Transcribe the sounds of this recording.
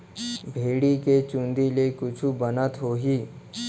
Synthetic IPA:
bʱeɽiket͡ɕund̪ilekut͡ɕʰubənat̪ɦoɦiː

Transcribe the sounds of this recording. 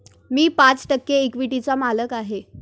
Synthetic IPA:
miːpat͡sʈəkːeːkʋiʈit͡samaləkaɦe

